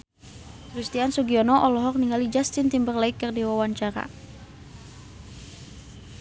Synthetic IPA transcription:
krist̪iansuɡiɔnɔʔɔlɔɦɔk̚niŋɡalid͡ʒast̪int̪imbərlaɪkːərdiwawaɲt͡ʃaɾa̰

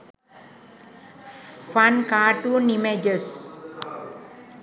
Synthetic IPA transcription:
fankaːʈunimed͡ʒəs

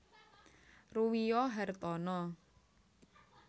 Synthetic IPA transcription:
ruwijɔɦɛrt̪ɔnɔ

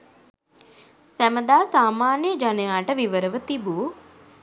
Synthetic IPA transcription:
sæməd̪aːsaːmaːnijəd͡ʒanəjaːʈəʋiʋəɾəʋət̪ibu

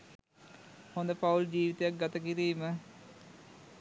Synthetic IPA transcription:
hond̪əpauld͡ʑiːʋit̪ejak̚ɡɐt̪əkiɾiːmə

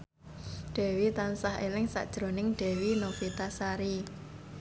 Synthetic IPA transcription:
ɖ̥ɛ̤wit̪ansaɦelɪŋsa̰ʔd̥ʒ̥ɾonɪŋɖ̥ɛ̤winofit̪asaɾi

